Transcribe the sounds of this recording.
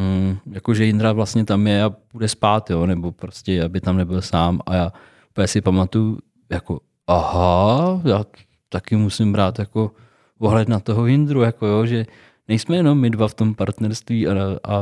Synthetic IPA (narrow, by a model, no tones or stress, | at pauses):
m̩jakoʒɛjɪnd̪ɾavlast̪ɲɛt̪amjɛapudɛspaːt̪joːnɛbo̞pɾoscɛabɪt̪amnɛbɪlsaːma̰jaː | upəɲɛsɪpamat̪uju | jako | ʔahajaː | t̪akɪmusɪmbɾaːt̪jako̞ | ʔoɦlɛd̪nat̪o̞ɦoɦɪnd̪ɾujako̞joʒɛ | nɛjsmɛjɛno̞mːɪdvaft̪o̞mpaɾt̪nɛɾst̪viːaa